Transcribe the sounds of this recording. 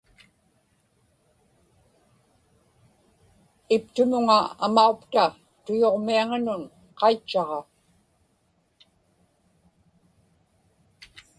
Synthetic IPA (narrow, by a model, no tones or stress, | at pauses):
ɪpt̪ʊmʊŋaa̰maukt̪a | t̪ʊjoʁmiaŋanʊn | qɑit͡ʃːɑʁɑ